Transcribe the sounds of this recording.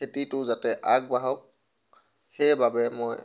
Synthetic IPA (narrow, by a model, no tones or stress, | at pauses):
etitʊzatɛʔaɡ̚baɦɔk̚ | hejbabɛmoj